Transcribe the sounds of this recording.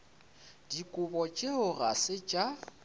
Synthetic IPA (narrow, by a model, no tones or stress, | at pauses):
d̥ikʼʊbɔt͡ʃʼeʊra̰sɪt͡ʃʼa